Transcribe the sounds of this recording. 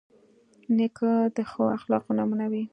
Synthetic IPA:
nekad̪əxoaxlɑqunɑmunawi

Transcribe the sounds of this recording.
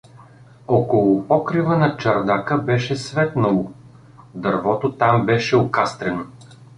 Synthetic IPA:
ɔkolˠʊpɔkɾivənɐt͡ʃɐɾd̪akəbɛʃɛsvɛt̪nɐlˠo | d̪ɐɾvɔt̪ot̪ambɛʃɛokast̪ɾɛno

